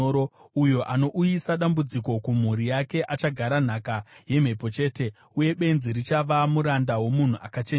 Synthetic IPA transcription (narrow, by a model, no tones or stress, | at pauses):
oɾoujo̞ʔano̞ʔujisaɗambud͡ziko̞kum̤uɾijake̞ʔat͡ʃaɡʱaɾan̤akaje̞m̤e̞po̞t͡ʃe̞ːte̞ | uje̞ɓe̞nziɾit͡ʃaʋamuɾandawo̞mun̤uʔakat͡ʃe